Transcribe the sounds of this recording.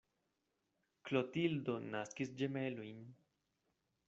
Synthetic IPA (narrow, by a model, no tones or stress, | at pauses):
klot̪ild̪onaskisd͡ʒemelujn